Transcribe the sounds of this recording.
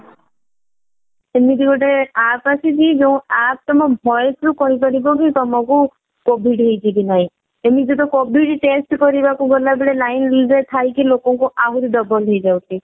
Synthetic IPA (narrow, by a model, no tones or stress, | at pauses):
emid̪iɡɔʈeapasid͡ʒid͡ʒeũap̚t̪ɔmɔbʱɔjsɾukɔɦipaɽibɔkit̪ɔmɔku | kobʱiɖɦejtʰikinaɦĩ | emid͡ʒet̪ɔkobʱiɖʈesʈkɔɾibakuɡɔlabeɭelajnlizet̪ʰajkilokɔŋkuʔaɦuɾiɖɔbɔlɦejd͡ʒawt̪ʰi